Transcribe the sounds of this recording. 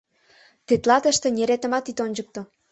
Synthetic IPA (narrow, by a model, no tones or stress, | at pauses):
t̪et̪lɑt̪əʃt̪ĕnʲeɾet̪ə̆mɑt̪it̪onʲd͡ʑək̚t̪o